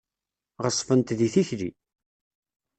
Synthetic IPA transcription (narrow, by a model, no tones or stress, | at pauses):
ʁəsˤːfənt̪ðiθiçlḭ